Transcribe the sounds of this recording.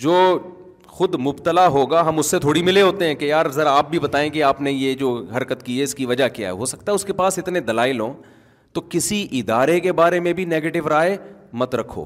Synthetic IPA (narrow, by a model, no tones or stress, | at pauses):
d͡ʒoː | xʊd̪mʊbt̪əlaɦoːɡaɦɐmʊsːet̪ʰoːɽimɪleɦoːt̪eɦɛ̃kejaːɾzɐɾaːp̚bʱibɐt̪aːẽkeaːpnejed͡ʒoːɦɐɾkət̪kiɛɪskiʋɐd͡ʒakija̰ɦɛ̰ɦosɐ̥k̚t̪aɦɛʊskepaːsɪt̪ned̪ɐlaːɪlɦõː | t̪okɪsiʔɪd̪aːɾekebaːɾemẽbʱineːɡeːʈɪʋɾaːemɐt̪ɾɐkʰːo̰ː